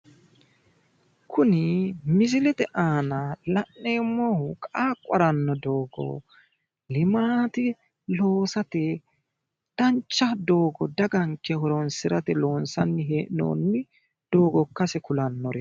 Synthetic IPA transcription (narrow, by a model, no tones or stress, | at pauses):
kʰʊnɪmɪzɪlɛt̪ɛʔaːnɐlɐʔːeːmɔhʊkʼaːkʼːɔɾɐnːɔd̪oːɡɔ̰ | lɪmaːt̪ɪ | lo̞ːsɐt̪ɛ | d̪̥ɐnt͡ʃːɐd̪o̞ːɡɔd̪ɐɡɐŋkːɛhɔɾɔnsɪɾɐt̪ɛloːnsɐnːɪɦeːʔɪno̰ːnːɪ | d̪̥o̞ːɡɔkːɐsɛkʊlɐnːɔɾɛ